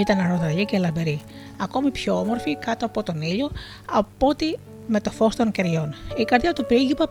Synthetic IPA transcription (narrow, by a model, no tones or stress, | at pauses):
it̪ɐnɐɾoðɐʝicelɐbeɾi | ɐko̞mipçoomo̞ɾfikɐt̪oɐpo̞t̪o̞niʎo̞ | ɐpo̞t̪i | me̞t̪o̞fo̞st̪o̞ŋce̞ɾʝo̞nikɐɾðjɐt̪upɾiɡipɐ